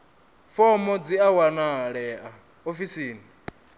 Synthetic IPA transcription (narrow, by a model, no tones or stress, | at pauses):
fɔmɔd͡ziawanaɺɛa | ofisiːni